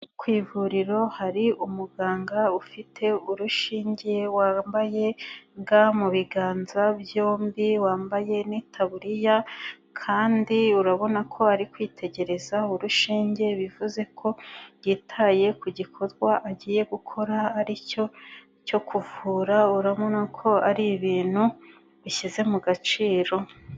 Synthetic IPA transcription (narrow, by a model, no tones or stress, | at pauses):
kwiːvuɾiɾo̞haɾiʔumuɡaːŋɡaufitʰe̞uɾuʃiːɲɟe̞waːmbaje̞ŋɡamuβiɡaːnzabjo̞ːmbiwaːmbaje̞nitʰaβuɾija | kʰaːndiuɾaβo̞nakʰo̞aɾikwiːtʰe̞ɟe̞ɾe̞zauɾuʃiːɲɟe̞βivuze̞kʰo̞jitʰaje̞kuɟikʰo̞zɡwaʔaɟiːje̞ɡukʰo̞ɾaːɾico̞ | co̞kʰuvuːɾauɾaβo̞nakʰo̞aɾiβiːn̥hu | βiçize̞muɡat͡ʃiːɾo̞